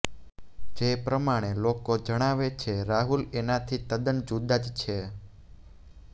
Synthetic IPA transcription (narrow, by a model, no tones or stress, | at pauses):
d͡ʒepɾəmaɽ̃elokod͡ʒəɽ̃aʋet͡ʃʰeɾaɦulenat̪ʰit̪əd̪ənd͡ʒud̪ad͡ʒt͡ʃʰe